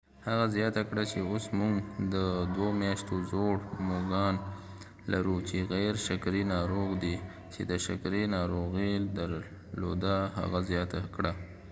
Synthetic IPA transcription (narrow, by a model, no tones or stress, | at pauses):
haɣazjɑt̪akɽat͡ʃeosmuŋɡd̪əd̪womjɑʃt̪ozoɽmoɡɑn | laɾut͡ʃeɣajɾʃakɾinɑɾoɣd̪i | t͡ʃed̪əʃa̰kɾinɑɾoɣid̪aɾ | lo̰d̪aɦa̰ɣazjɑt̪akɽa